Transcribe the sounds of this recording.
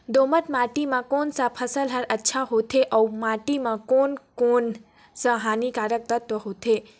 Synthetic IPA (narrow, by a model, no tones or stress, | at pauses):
d̪omət̪maʈimãkonsapʰəsəlɦəɾətːʃʰaɦot̪ʰeʔəwmaʈimãkonkon | səɦanikaɾək̚t̪ət̪ʋəɦot̪ʰe